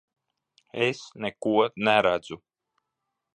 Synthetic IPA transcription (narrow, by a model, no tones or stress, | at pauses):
esnɛkuɔnæɾæd̪zu